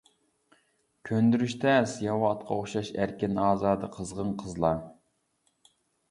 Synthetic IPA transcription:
kʲʰønd̪yɾyʃt̪ʰɛsjɑwɑt̪qʰɑoχʃɑʃæɾkʲɪnɑːzɑːd̪ɨqʰəzʁənqʰəzlˠɑ

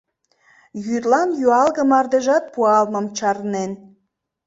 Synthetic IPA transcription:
jyrlɑnjyɑlɣəmɑrd̪eʒɑt̪̚puɑlməmt͡ɕɑrnen

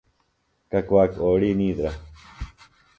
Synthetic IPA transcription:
kakʷwakoːɽinĩːd̪ɾa

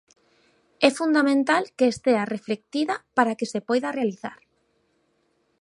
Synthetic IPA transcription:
ɛfund̪amẽnt̪alkeːst̪eareflek̚t̪iðapaɾakesepɔjðarealiθa̰ɾ

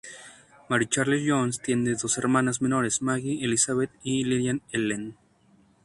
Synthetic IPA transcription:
maɾit͡ʃaɾlisʝonst̪je̞nd̪eðo̞seɾmãnazme̞no̞ɾezmaɣielisaβet̪iliðjanelen

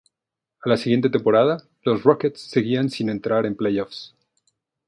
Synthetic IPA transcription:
alasiɣje̞nt̪e̞t̪e̞mpo̞ɾaða | lo̞sroket̪sːe̞ɣiansine̞nt̪ɾaɾe̞mplejofs

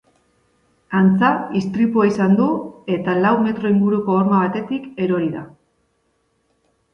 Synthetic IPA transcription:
ant͡saist̪ɾipuaisand̪ue̞t̪alawme̞t̪ɾo̞iŋɡuɾuko̞oɾmaβ̞at̪e̞t̪ike̞ɾo̞ɾiða

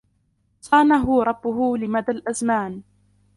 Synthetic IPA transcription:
sˤɑːnaɦʊɾˤɑbːʊɦʊlɪmad̪alʔazmaːn

